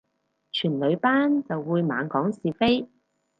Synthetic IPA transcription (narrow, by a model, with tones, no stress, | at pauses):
t͡ʃʰyː˨˩nlɵ˨˧ɥpaː˥nt͡sɐ˨wːuː˨˧jma̰ː˨˥nkɔː˨˥ŋsiː˨fe˥j